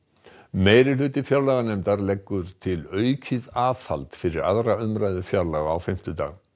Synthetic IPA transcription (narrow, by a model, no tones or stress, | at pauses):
meːjɾɪlʏːt̪ɪfjawɾlaɣanɛmt̪aɾlɛkːʏɾ̥t̪ʰɪlœːɥcʰɪðaːθa̰lt̪fɪɾɪɾa̰ðɾaʏmɾaːjðʏfjawɾlaɣaːwfɪm̥t̪ʏt̪a̰ːɣ